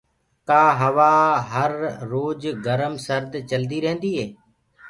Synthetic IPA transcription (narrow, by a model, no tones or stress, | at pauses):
kaːɦəʋaːɦəɾːoːd͡ʒɡəɾəmsəɾd̪t͡ʃəld̪iːɾəɦə̃nd̪iːɦeː